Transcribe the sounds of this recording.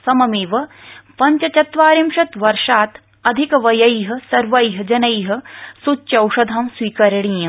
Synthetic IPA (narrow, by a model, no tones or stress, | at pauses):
sɐmɐmeːʋɐ̆pɐɲt͡ʃɐt͡ʃɐt̪ʋaːɾimʃɐt̪ʋɐɾʃaːt̪ | ɐd̪ʱikɐʋɐjɐjɦɐ̆sɐɾʋɐjɦɐ̆d͡ʒɐnɐjɦɐ̆sut͡ʃːʃɐwʃɐd̪ʱɐmswiːkɐɾɐɳiːɐ̃